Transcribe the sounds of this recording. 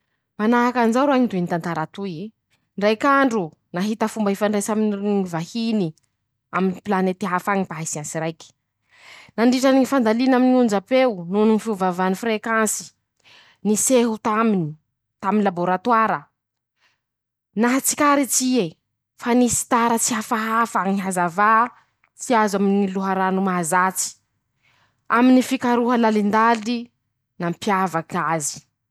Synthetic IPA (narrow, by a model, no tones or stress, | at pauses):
manaɦakanzaɾaɲid̪ent̪ant̪aɾat̪ui | ɳɖ͡ʐajkaɳɖ͡ʐu | naɦit̪əfumbaɦefaɳɖ͡ʐajsaminivahini | aminipilanet̪iɦafaɲipaɦisiansiɾajki̥ | naɳɖ͡ʐiʈ͡ʂaniŋifand̪alinaminiund͡ʒapeununinifiuvavanifrekansi̥ | niseɦut̪amini | t̪aminilaboɾat̪waɾə | naɦat͡si̥kaɾit͡sie | fanisi̥t̪aɾət͡siɦafaɦafaŋiɦazava | t͡siazaminiluɦaɾanumaazat͡si̥ | a̰minifikaɾuɦəlalind̪ali | nampjavakazi̥